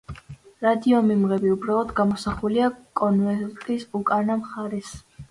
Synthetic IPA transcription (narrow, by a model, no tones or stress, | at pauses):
ɾad̪iɔmimʁɛbiubɾalˠɔd̪ɡamɔsaχuliakʼɔnvɛɾt̪ʼisukʼanamχaɾɛs